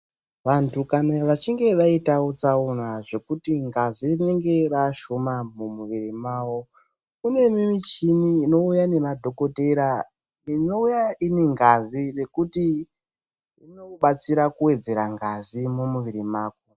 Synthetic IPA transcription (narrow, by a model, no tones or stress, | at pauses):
ʋantʰukanaʋat͡ʃiŋɡe̞ʋaitaot͡saunaʐe̞kutiŋɡazirine̞ŋɡe̞raʃomamumuʋirimaːwo̞ | kune̞mimit͡ʃiniːno̞ujane̞madʱo̞ko̞te̞ɾa | ino̞ujaineŋɡazire̞kuti | ino̞ɓat͡siɾakuwe̞d͡ze̞ɾaŋɡazimumuʋiɾimaːk̚o